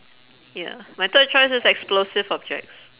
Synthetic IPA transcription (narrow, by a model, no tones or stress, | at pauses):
ja̰majt̪əd̚t͡ʃɔɪsɪsɛksplosɪvɔb̚d͡ʒɛ̰k̚ts